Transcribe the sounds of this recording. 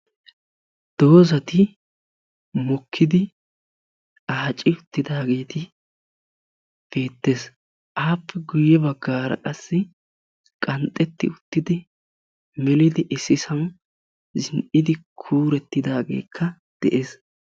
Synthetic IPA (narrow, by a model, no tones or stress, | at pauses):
d̪̥o̞ːzɐt̪ɪ | mɔkʰːɪd̪ɪ | aːt͡ʃʼɪʊt̪ːɪd̪aːɡe̞ːt̪ɪ | b̥e̞ːt̪ːe̞ːs | ʔaːpʰːɛɡʊjɛbɐɡːaːɾɐ̰kʼɐsːɪ | kʼɐnt̪ʼɛt̪ːɪ̰ʊt̪ːɪd̪ɪ | mɛlɪd̪ɪʔɪsːɪsɐn | zɪnʔɪd̪ɪkʰuːɾɛt̪ːɪd̪aːɡe̞̰ːkʰːɐ | d̪̥ɛʔe̞ːs